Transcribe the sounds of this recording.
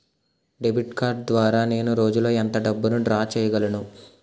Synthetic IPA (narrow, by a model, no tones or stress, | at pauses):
ɖebʱiʈkaːɾɖ̚d̪ʋaːɾaːne̞ːnuɾo̞ːd͡ʒulo̞ːɐnt̪ɐɖɐbːunuɖɾaːt͡ʃɛːjɐɡɐlɐnu